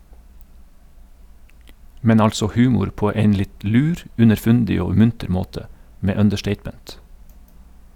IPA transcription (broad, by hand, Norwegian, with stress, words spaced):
ˈmɛn ˈɑlsɔ ˈhʉːmʊɾ ˈpoː ˈeɪn ˈlɪt ˈlʉːɾ ʉnəɾˈfʉndɪ ˈoː ˈmʉntəɾ ˈmoːtə ˈmeː œndəˈʃʈeɪtmɛnt